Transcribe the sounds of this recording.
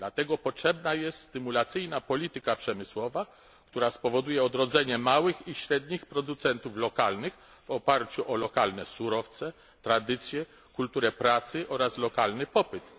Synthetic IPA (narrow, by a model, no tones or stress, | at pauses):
d̪̥lat̪ɛɡɔpɔtʂɛbnajɛst̪st̪ɘmulat̪sɘjnapɔlʲit̪ɘkapʂɛmɘswɔva | kt̪uɾaspɔvɔd̪ujɛɔd̪ɾɔd̪zɛɲɛmawɘxiɕɾɛd̪ɲixpɾɔd̪ut̪sɛnt̪uflɔkalnɘx | v̥ɔpaɾt͡ɕuʔɔlɔkalnɛsuɾɔft̪sɛ | t̪ɾad̪ɘt̪sʲjɛ | kult̪uɾɛpɾat̪sɘʔɔɾaslɔkalnɘpɔpɘt̪